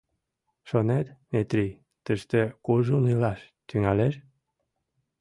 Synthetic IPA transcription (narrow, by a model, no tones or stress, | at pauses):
ʃonet̪met̪ɾi | t̪əʃt̪ekuʒunilɑʃt̪yŋɑleʃ